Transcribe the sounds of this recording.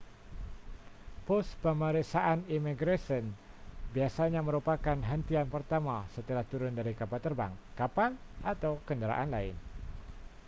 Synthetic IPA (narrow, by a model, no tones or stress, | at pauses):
pɔspəməɾisaʔanimiɡɾasən | biasaɲaməɾupakanɦənt̪ianpərt̪amasət̪əlaht̪uɾʊndaɾikapalt̪ərbaŋkapalʔat̪awkəndəɾa̰ʔanlaɪn